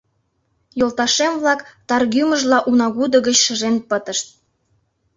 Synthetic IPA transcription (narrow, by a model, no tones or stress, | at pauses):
jolt̪ɑʃemβlɑkt̪ɑrɣyməʒlɑʔunɑɣud̪ə̆ɣət͡ɕʃəʒenpət̪əʃt̪̚